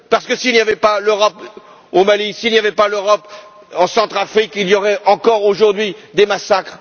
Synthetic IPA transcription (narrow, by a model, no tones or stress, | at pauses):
paʁsə̥kəsilnjavɛpaløʁɔp | omalisilnjavɛpaløʁɔp | ɑ̃sɑ̃t̪χafχikiljɔʁɛʔɑ̃kɔʁoʒuʁd̪ɥid̪emasakχ